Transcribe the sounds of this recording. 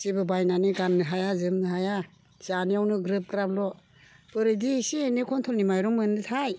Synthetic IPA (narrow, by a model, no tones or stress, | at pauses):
sibɯbajnaniɡanːɯɦajazɯmnɯɦaja | zaniawnɯɡɾɯp̚kɯɾablɔ | pɯɾɯdisinikʰɔntʰɔlnimajɾɔŋmɯnɯtʰaj